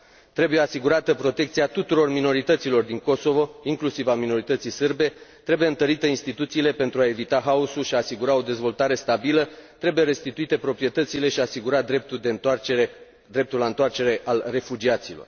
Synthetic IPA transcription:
t̪ɾe̞buje̞asiɡuɾat̪əpɾo̞t̪e̞kt̪siat̪ut̪uɾo̞rmino̞ɾit̪ət̪silo̞rd̪iŋko̞so̞vo̞iŋklusivamino̞ɾit̪ət̪sisɨrbe̞t̪ɾe̞bujeɨnt̪əɾit̪əinst̪it̪ut̪siːle̞pe̞nt̪ɾuae̞vit̪aɦaosulʃiaːsiɡuɾao̞d̪e̞zvo̞lt̪aɾe̞st̪abilət̪ɾe̞buje̞ɾe̞st̪it̪uit̪e̞pɾo̞pɾije̞t̪ət̪sile̞ʃiasiɡuɾat̪d̪ɾep̚t̪uld̪eee | d̪ɾe̞p̚t̪ulaɨnt̪oart͡ʃe̞ɾe̞ʔalre̞fud͡ʒiat̪silo̞̰r

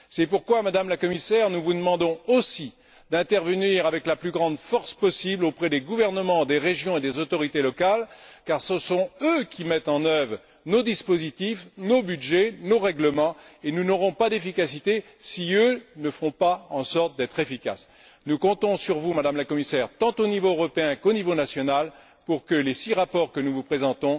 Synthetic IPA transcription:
sɛpuʁkwamad̪amlakɔmisɛʁnuvud̪əmɑ̃d̪ɔ̃osi | d̪ɛ̃t̪ɛʁvəniʁavɛklaplyɡʁɑ̃d̪fɔʁspɔsiblopχɛd̪eɡuvɛʁnəmɑ̃d̪eʁeʒjɔ̃ed̪ezot̪ɔʁit̪elɔkalkaʁsəsɔ̃økʲʰimɛt̪ɑ̃nœvʁ | nod̪ispozit̪ifnobyd̪ʒɛnoʁɛɡləmɑ̃enunɔʁɔ̃pad̪efikasit̪e | siønəfɔ̃paɑ̃sɔʁt̪̚d̪ɛt̪χefika̰s | nukɔ̃t̪ɔ̃syʁvumad̪amlakɔmisɛʁt̪ɑ̃t̪onivoøʁɔpeɛ̃konivonasjɔnal | puʁkəlesiʁapɔʁkənuvupχezɑ̃t̪ɔ̃

